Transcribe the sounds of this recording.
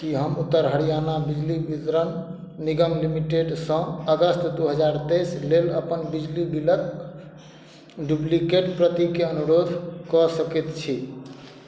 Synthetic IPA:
kiɦəmut̪ːəɾɦəɽijanabid͡ʒlibit̪ɾənː | iɡəmlimiʈeɖsə̃əɡəst̪d̪uɦəd͡ʒaɾt̪esleləpənbid͡ʒlibilək | ɖublikeʈpɾət̪ikeənuɾod̪ʱkɔsəkit̪t͡ʃʰi

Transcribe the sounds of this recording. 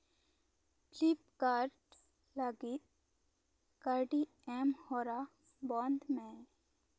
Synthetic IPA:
plipkaːɾʈ | laɡit̪ | kaɾɖi | ɛmhoːɾa | bɔ̃ːnd̪mẽ

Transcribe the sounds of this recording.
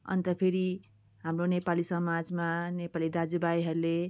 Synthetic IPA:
ʌ̰nt̪ʌpʰeɾi | ɦamronepalisʌmad͡zmanepalid̪ad͡zubajɦʌɾule

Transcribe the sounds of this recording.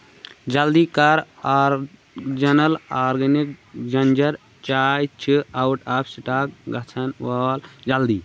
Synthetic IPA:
d͡ʒɐld̪ikaɾaɾ | d͡ʒɐnəlaɾɡɐnik̚d͡ʒɐnd͡ʒəɾ | t͡ʃajt͡ʃʰiawʈapsiʈak̚ɡɐt͡ʃt͡sʰɐnʋald͡ʒɐld̪i

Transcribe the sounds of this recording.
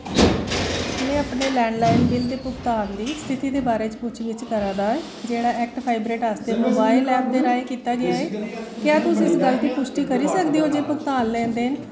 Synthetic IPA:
nẽːapneːlɛ̃ːɳɖlaːɪnbɪld̪eːpʊkt̪aːnd̪iːst̪ʰɪt̪iːd̪eːbaːɾeːt͡ʃpʊt͡ʃʰʋɪt͡ʃkəɾãːd̪aːɛː | d͡ʒeːɽaːʔɛːk̚ʈpʰaːɪbɾeːʈaːst̪eːmoːbaːilːɛːp̚d̪eːɾaːeːkiːt̪aːɡɪaeːkjaːt̪ʊsĩːɪsɡəlt̪iːpʊʃʈiːkəɾiːsəkd̪iːɦoːd͡ʒeːpʊkt̪aːnlɛ̃ːnd̪eːn

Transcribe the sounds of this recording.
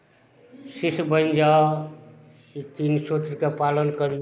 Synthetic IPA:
sisbənd͡ʒa | it̪insot̪ɾkepalənkəɾi

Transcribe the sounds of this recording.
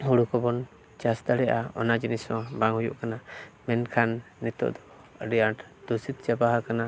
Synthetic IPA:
huɽukɔbɔn | t͡ʃasd̪aɽɛʔaɔ̰nad͡ʒinisɔ̃baŋɦhujṵʔkanamɛnkʰanːɛt̪ɔ̰ʔd̪ɔ | əɖijaʈd̪̥usit̪̚t͡ʃabaɦakana

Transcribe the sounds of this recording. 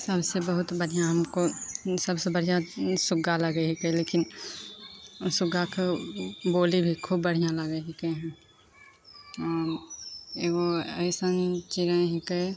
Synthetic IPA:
səbsebəɦʊt̪bəɽ̤ijãɦɐmkosəbsebəɽ̤ijãsʊɡaləɡeɦɪkeleːkɪn | sʊɡakeboːlibʱikʰubːəɽ̤ijãləɡeɦɪkeɦɛ̃ | ɔːɾeoɐɪsənt͡ʃɪɾə̃ɦɪkəe

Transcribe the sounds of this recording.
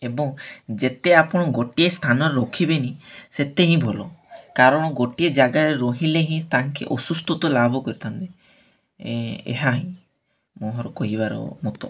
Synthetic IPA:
ebɔŋd͡ʒet̪eapɔɽ̃ɔɡoʈiest̪ʰanɔɾeɾɔkʰibenĩset̪eɦĩbʱɔlɔkaɾɔɽ̃ɔɡoʈied͡ʒaɡaɾeɾoɦileɦĩt̪aŋkḭʔɔsust̪ɔt̪ɔlabʱɔkɔɾit̪ʰant̪e | ḛɦaɦĩ | moɦɔɾɔkɔɦibaɾɔ̰mut̪ɔ

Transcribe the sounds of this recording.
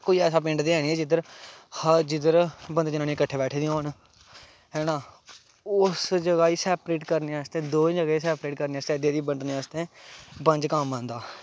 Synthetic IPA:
koːiːɛːsaːpɪ̃ɳɖd̪iːɛːniːɛːd͡ʒɪd̪əɾhəd͡ʒɪd̪əɾbənd̪eːd͡ʒɪnaːniːkəʈʰːeːbɛːʈʰeːd̪ĩoːn | ɦɛːnãː | ʊsd͡ʒəɡaːiːsɛːpɾeːʈkəɾneaːst̪ẽːd̪oːd͡ʒəɡaːiːsɛːpɾeːʈkəɾneːaːst̪ẽːd̪jːd̪iːbəɳɖneːaːst̪ẽːbə̃ɲd͡ʒkəmə̃ːnd̪aː

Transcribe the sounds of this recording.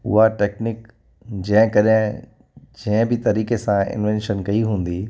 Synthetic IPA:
ʊ̰ɦaʈeːknɪk | d͡ʑɐ̃ɦɪ̃kɐɗɪ̃ | d͡ʑɐ̃ɦɪ̃bɪt̪ɐɾiːkesãɪ̰nʋɛ̃nʃənkɐiɦũːn̆d̪i

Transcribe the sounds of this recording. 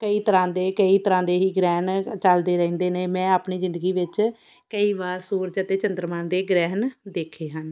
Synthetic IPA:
kəiːt̪əɾãːd̪eːkəiːt̪əɾãːd̪eːɦiːɡɾɛːnt͡ʃəld̪eːɾɛ̃ːnd̪eːneːmɛ̃ːaːpniːzɪ̃nd̪əɡiːʋɪt͡ʃ | kəiːbaːɾsuːɾd͡ʒət̪eːt͡ʃənd̪əɾmənd̪eːɡɾɛːnd̪eːkʰeːɦən

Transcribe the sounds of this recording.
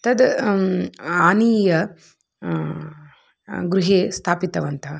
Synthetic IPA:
t̪ɐd̪ | aːniːjɐ | ɡɾuɦeːst̪ʰaːpit̪ɐʋɐnt̪ʰɐ

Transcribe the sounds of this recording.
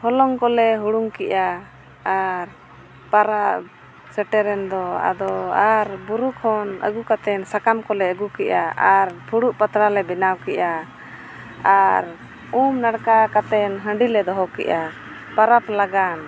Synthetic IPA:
hɔlɔŋkɔlɛɦuɽuŋkɛʔaː | ɾ | paɾaʔ | sɛʈɛɾɛnd̪ɔa̰d̪ɔaɾbuɾukʰɔnə̰ɡukat̪ɛnsakamkɔlɛəɡukɛʔa̰aɾpʰuɽuʔpət̪ɾalɛbɛnawkɛʔa | aɾ | umnaɽkakat̪ɛnɦə̃ɳɖilɛd̪ɔɦɔkɛ̰ʔa | paɾaplaɡan

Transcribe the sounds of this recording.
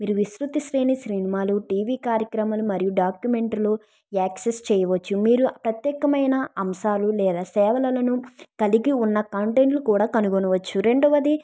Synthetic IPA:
miːɾuʋisɾut̪iʃɾeːniʃɾinimaːluʈiːʋiːkaːɾjɐkɾɐmɐlumɐɾijuɖaːkjume̞ɳʈloː | aːksest͡ʃɛːjɐʋɐt͡ʃːumiːɾupɾɐt̪jɛːkɐmɐjnɐɐmʃaːlulɛːd̪aːsɛːʋɐlɐlɐnukɐliɡiunːɐkɐɳʈeɳʈlukuːɽaːkɐnuɡonɐʋɐt͡ʃːuɾe̞ɳɖɐʋɐd̪i

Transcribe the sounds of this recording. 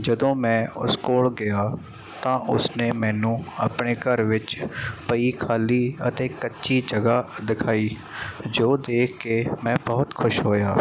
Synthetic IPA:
d͡ʒəd̪õːmɛ̃ːʊ̰skoːlɡɪjaː | t̪ãːʔʊsneːmɛ̃ːnũːəpɳeːkəɾʋɪt͡ʃpəiːkʰaːliːət̪eːkətːʃiːd͡ʒəɡaːd̪ɪkʰaːiː | d͡ʒoːd̪eːkʰkːeːmɛ̃ːbɔɦʊt̪kʰʊʃɦoːjaː

